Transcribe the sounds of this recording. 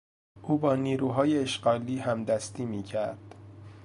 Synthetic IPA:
ʔuːbɒːniːɾuːɦɒːjeeʃɢɒːliːhæmd̪æst̪iːmiːcʰæɾd̪̥

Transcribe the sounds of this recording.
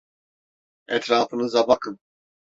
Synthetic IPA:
ɛt̪ʰɾaːfɯnɯzabakʰɯn

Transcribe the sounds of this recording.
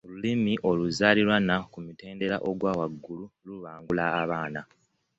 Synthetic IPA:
olulimiʔo̞luzaːliɾwanakumute̞ːnde̞ɾaʔoɡwaːwaɡːululuβaːŋɡulaːβaːna

